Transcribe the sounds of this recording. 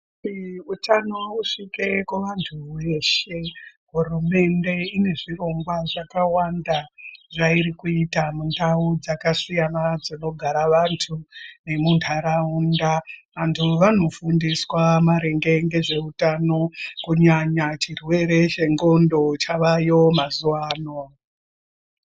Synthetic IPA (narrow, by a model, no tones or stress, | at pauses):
iutano̞uʂikekuʋantʰuwe̞ʃe̞ɦurume̞nde̞ine̞ʐiro̞ŋɡwaʐakawandaʐaiɾikuitamundaud͡zakasijanad͡zino̞ɡʱaɾaʋantʰune̞muntʰaɾaundaʋantʰuʋano̞fundiswamaɾe̞ŋɡe̞ŋɡe̞ʐe̞utano̞kuɲaɲat͡ʃirwe̞ɾe̞t͡ʃe̞ŋɡo̞ndo̞t͡ʃaʋajo̞mazuaːno